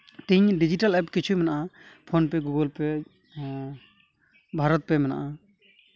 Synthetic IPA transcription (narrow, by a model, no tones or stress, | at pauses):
t̪iɲɖid͡ʒiʈalɛpkit͡ʃʰujmɛnaʔapʰonpɛɡuɡɔlpɛ | bʱaɾɔt̪̚pɛmɛna̰ʔa